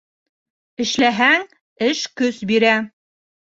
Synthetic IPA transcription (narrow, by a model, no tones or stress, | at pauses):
ɘ̆ʃlæɦæŋ | ɘʃkɵsbiɾæ